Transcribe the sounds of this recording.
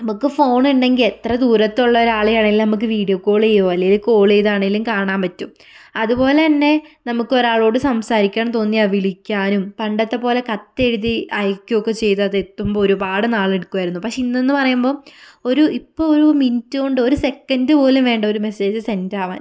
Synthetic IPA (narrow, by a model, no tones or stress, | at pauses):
nɐmukːɨfo̞ːɳiɳɖe̞ŋɡile̞t̪rɐd̪uːɾɐt̪ːuɭːɐo̞ɾaːɭejaːɳeŋɡilnɐmuk̬ːɨʋiːɽjokːoːɭejoːɐlːejiluko̞ːɭejðaːɳeŋɡilumkaːɳaːmpɐtːum | ɐðupo̞ːle̞t̪ɐnːe̞nɐmukːɨo̞ɾaːɭo̞ːɽɨsɐmsaːɾikʲːaːɳmt̪o̞ːnːiɐʋiɭikʲːaːnumpɐɳɖɐt̪ːepo̞ːle̞kɐt̪ːeɽuðiʔɐjkʲːokːet͡ɕe̞jt̪ɐðet̪ːumbooɾupaːɽɨnaːɭeɽukːuʋaːjiɾunːupakʂeinːe̞nːɨpɐrɐjumbo̞ːoɾuipːoːoɾumintːuɣoɳɖɨo̞ɾuse̞kːɐndɨpo̞ːlumʋe̞ːɳɖɐo̞ɾume̞se̞ːd͡ʑɨse̞ndaːʋa̰ːn